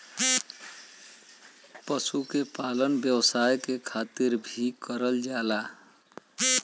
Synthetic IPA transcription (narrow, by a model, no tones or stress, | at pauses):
pəsukepaːlənbjəwsajkekʰaːt̪iɾbʱikəɾəld͡ʒaːla